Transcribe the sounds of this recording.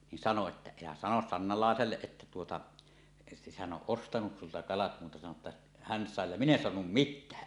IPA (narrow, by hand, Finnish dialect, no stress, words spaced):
nin sɑno etːæ elæ sɑnos sɑnːɑlɑˑeselːeʔ ʔetːæ tuotɑ hæn ʔoʔ ʔostɑnus sultɑ kɑlɑt muːtɑ sɑno tːɑ hæn sɑˑe jɑ min en soɑnum mitˑæː